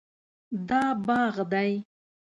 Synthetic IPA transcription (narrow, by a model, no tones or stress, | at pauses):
d̪ɑbɑɣd̪aj